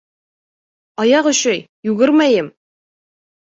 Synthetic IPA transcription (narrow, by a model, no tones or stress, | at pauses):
ɑjɑqɵ̆ɕɘj | jʉɡɘɾmæjɘm